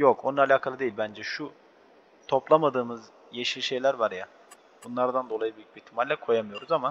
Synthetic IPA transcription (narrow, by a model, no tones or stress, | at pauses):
jokonaːlʲaːkʰalˠɯd̪e̞jilʲbænd͡ʒɛʃu | t̪ʰo̞plˠamad̪ɯːmɯz | jeʃɯlʃe̞jlʲæɾvaɾja | b̥unlˠaɾd̪and̪o̞lˠajɯbijʲyc̚ʲbit̪ʰimalʲlʲɛkʰo̞jamɯjo̞ɾuzama